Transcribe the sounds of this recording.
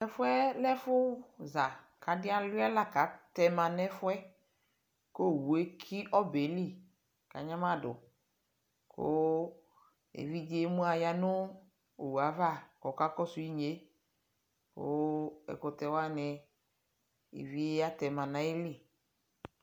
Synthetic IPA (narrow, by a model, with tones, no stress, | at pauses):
lɛ˦fʊ˦ɛ˦lɛ˦fʊ˦za˨ | kʰa˨˦dɪ˦a˦lʊ˦a˦la˦ka˨˦t̪ɛ˨mã˨nɛ˦fʊ˦ɛ˦ | ko˦˨wu˨e˦kʰi˦ʔɔ˦be˨˦li˦ | ka̰˨ɲã˦mã˦dʊ˨ | kʰo̰˦ | ḛ˨vi˦d͡ʒe˦mũ˦a˨ja˨nʊ˦ | o˨wu˨a˨va˦˨kɔ˨ka˦kɔ˦sʊ˨ji˦ɲe˦ | ko̰˦ɛ̰˨kʊ˨t̪ɛ˨wa˦nɛ˨ | ḛ˨vi˦e˦a˦t̪ɛ˨mã˨nã˨˦i˦li˦˨